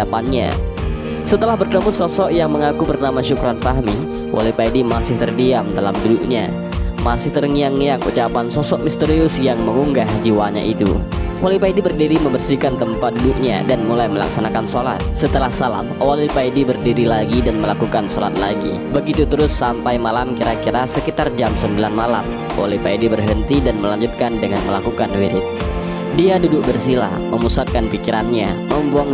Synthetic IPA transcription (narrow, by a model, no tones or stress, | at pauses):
apanɲa̰ | sət̪əlahbərd̪əmusɔsɔʔjaŋməŋakupərnamaʃukuɾanfaɦmi | wʔa̰lipaidimasɪht̪ərdiamdalamduduk̚ɲa̰ | masɪht̪ərŋiaŋijaŋṵt͡ʃapansɔsɔʔmist̪əɾiusjaŋməŋuŋɡahd͡ʒiwaɲa̰ʔit̪ṵwalipaidibərdiɾiməmbərsikant̪əmpat̪̚duduk̚ɲa̰danmulajməla̰ksanakansola̰t̪̚sət̪əlahsala̰mowalipaidibərdiɾilaɡidanməlakukansola̰t̪̚laɡḭ | bəɡit̪ut̪əɾʊsːampajmalamkiɾakiɾasəkit̪ard͡ʒamsəmbilanmala̰m | owa̰lipaidibərɦənt̪idanməlaɲd͡ʒʊt̪̚kandəŋanməlakukanwiɾɪt̪̚ | diadudʊk̚bərsila̰hməmusat̪̚kanpikiɾanɲaməmbuaŋ